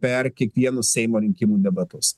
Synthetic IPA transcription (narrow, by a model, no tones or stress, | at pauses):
pʲɛɾkʲiɛkʋʲiɛnʊsʲsʲɛɪmoːɾʲɪŋʲkʲɪmuːd̪ʲɛbɐt̪ʊs